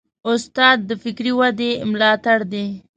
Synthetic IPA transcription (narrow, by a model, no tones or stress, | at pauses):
ʊst̪ɑːd̪̚ːəfɪkɾiwad̪emlɑt̪aɽd̪e